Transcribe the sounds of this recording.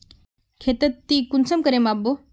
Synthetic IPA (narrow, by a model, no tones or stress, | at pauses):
kʰet̪ət̪ːikunsəmkəɾẽmabo